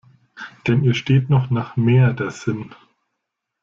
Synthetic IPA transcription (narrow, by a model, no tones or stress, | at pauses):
d̥ɛniːɐʃteːtnɔχnaːχmeːɐdɛsɪn